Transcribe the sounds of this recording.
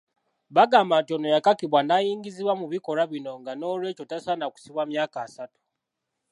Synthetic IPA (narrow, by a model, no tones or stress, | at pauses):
βaɡamantiono̞jakakiβwanajiːŋɡiziβwamuβiko̞ɾaβino̞ŋɡano̞ːlwe̞ːco̞tasanaku̥siβwamjaːkaːsatu̥